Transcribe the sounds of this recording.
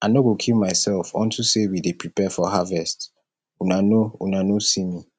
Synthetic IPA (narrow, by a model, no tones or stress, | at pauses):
anoɡokʰilmaɪsɛlfɔ̰̃ntʰusewidepɹipɛfɔɦavɛst | unanoṵnanosimi